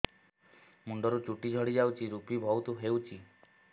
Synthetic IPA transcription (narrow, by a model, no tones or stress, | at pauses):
muɳɖɔɾut͡ʃuʈid͡ʒʱɔɽid͡ʒawt͡ʃʰiɾupibʱɔwt̪uɦewt͡ʃʰi